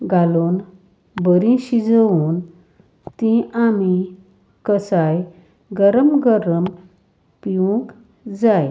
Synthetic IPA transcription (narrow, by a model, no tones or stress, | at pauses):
ɡalon | bəɾĩɕid͡zəuːn | t̪ĩami | kəsaj | ɡəɾəmɡəɾəm | piʋũŋk | d͡zaj